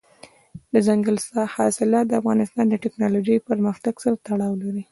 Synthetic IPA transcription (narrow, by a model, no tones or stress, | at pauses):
d̪əzaŋɡəlsɑhɑsɪlɑt̪̚d̪əafɣɑnɪst̪ɑnd̪əʈɪknɑlod͡ʒəjpəɾməxt̪aɡsəɾt̪aɽɑwlaɾi